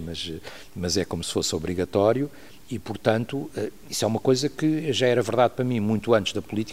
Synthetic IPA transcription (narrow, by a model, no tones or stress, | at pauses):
mɐʃɛ | mɐzɛkomusɨ̥fosɔβɾiɣɐt̪ɔɾju | ipuɾt̪ɐ̃nt̪uɛ | iswɛumɐkojzɐkɨɛʒaɛɾɐvɨɾðaðpɾɐmĩmũj̃t̪uɐ̃nt̪ɨʒ̥ðɐpulˠit̪i